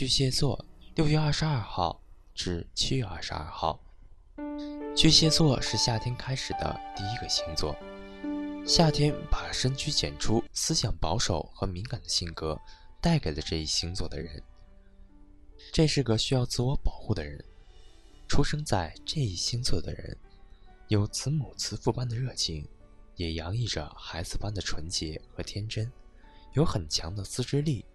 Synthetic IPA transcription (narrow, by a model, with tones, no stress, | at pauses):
t͡ɕy˥˩ɕjɛ˥t͡swɔ˥˩ljo˥˧ʊɥɛ˥˧ɐ˞˥˩ʂɻ̩˧ɐ˞˥˧xɑ˥˧ʊ | ʈ͡ʂɻ̩˥˩t͡ɕʰi˥ɥɛ˥˧ɐ̰˥˩ʂɻ̩̰˧ɐ̰˥˧xɑ̰˥˩ʊ | t͡ɕy˥˩ɕjɛ˥t͡swɔ˥˧ʂɻ̩˥˧ɕja˥˩t̪ʰjɛ˥nkʰa˥ɪʂɻ̩˨˩d̪ə̰˦t̪i˥˧i˥ɡə˧ɕi˧˥ŋt͡swɔ̰˥˩ | ɕja˥˩t̪ʰjɛ˥npa˨˩ʂə˥nt͡ɕʰy˥t͡ɕjɛ̰˨˩nʈ͡ʂʰu˥sɹ̩˥ɕjɑ˨˩ŋpɑ˧˥ʊʂo˨˩˦ʊxɤ˧˥mi˧˥ŋka˨˩nd̪ə˦ɕi˥˩nkɤ˥t̪a˥˩ɪke˨˩ɪlə˦ʈ͡ʂɤ˥˧ḭ˥˩ɕi˧˥ŋt͡swɔ˥˩d̪ə̰˩ɻə̰˧˥n | ʈ͡ʂe˥˧ʂɻ̩˥˩ɡə˩ɕy˥jɑ˥˧ʊt͡sɹ̩˥˩wɔ˧˥pɑ˨˩ʊxu˥˩d̪ə˩ɻə̰˧˥n | ʈ͡ʂʰu˥ʂɤ˥ŋt͡sa˥˧ɪʈ͡ʂɤ˥˧i˥˩ɕi˥ŋt͡sʰɤ˥˩d̪ə̰˩ɻə̰˧˥njo˧˥ʊt͡sʰɹ̩˧˥mu˨˩t͡sʰɹ̩˧˥fu˥˧pa˥nd̪ə˨ɻɤ˥˩t͡ɕʰi˥ŋ | jɛ˨˩jɑ˧˥ŋi˥˩ʈ͡ʂə̰˩xa˧˥ɪd͡zɹ̩˧pa˥nd̪ə˨ʈ͡ʂʰwə˧˥nt͡ɕjɛ˧˥xɤ˧˥t̪ʰjɛ˥nʈ͡ʂə˥n | jo˧˥ʊxə˨˩nt͡ɕʰjɑ˧˥ŋd̪ə˧sɹ̩˥ʈ͡ʂɻ̩˥li˥˩